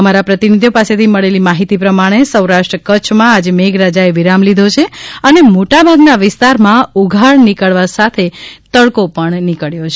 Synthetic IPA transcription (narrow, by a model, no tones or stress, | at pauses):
əmaɾapɾət̪inid̪ʱjopaset̪ʰiməɭelimaɦit̪ipɾəmaɽ̃esəwɾaʃʈɾəkət͡ʃʰmãad͡ʒemeɡɾad͡ʒaeʋiɾamlid̪ʱot͡ʃʰeənemoʈabʱaɡnaʋɪst̪aɾmãuɡʱaɭnikəɭʋasat̪ʰet̪əɭkopəɳnikəɭjot͡ʃʰe